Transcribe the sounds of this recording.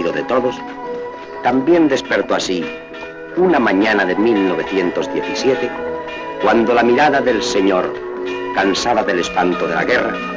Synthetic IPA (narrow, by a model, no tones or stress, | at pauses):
ðoðet̪o̞ðos | t̪ambje̞nd̪e̞spe̞ɾt̪oasi | unamaɲanaðemilnoβ̞e̞θje̞nt̪o̞zðje̞θisje̞t̪e̞ | kwand̪o̞lamiɾaðaðe̞lse̞ɲo̞ɾ | kansaβaðe̞le̞spant̪oðe̞la̰ɣe̞ra